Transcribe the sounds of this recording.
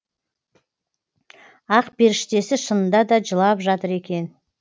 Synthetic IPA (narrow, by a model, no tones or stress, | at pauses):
ɑqbe̞ɾɪʃt̪e̞sɪʃənənd̪ɑd̪ɑd͡ʒəlˠɑpʒɑt̪əɾe̞kʲe̞n